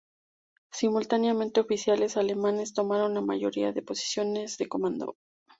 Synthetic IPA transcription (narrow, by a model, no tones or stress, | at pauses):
simult̪anjamẽnt̪e̞ofisjale̞sale̞mãne̞st̪o̞maɾo̞nlama̰ʝo̞̰ɾiaðe̞po̞si̥sjo̞ne̞zðe̞ko̞mãnd̪o̰